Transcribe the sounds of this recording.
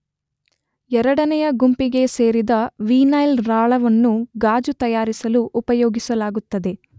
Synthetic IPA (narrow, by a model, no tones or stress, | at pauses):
ɛɾɐɽɐnɛjɐɡumpiɡe̞se̞ːɾid̪ɐʋiːnɐjlɾaːɭɐʋɐnːuɡaːd͡ʒut̪ɐjaːɾisɐluʔːpɐjoːɡisɐlaːɡut̪ːɐd̪e̞